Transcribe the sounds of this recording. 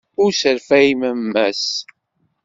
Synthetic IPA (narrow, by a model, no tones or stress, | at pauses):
ʊɾsəɾfæiməmːæs